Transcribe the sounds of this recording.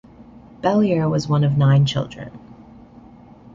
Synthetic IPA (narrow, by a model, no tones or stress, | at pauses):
b̥ɛlˠiə˞wʌzwʌ̃nʌvnãɪ̃nt͡ʃʰɪ̰lˠdɹɨ̰̃n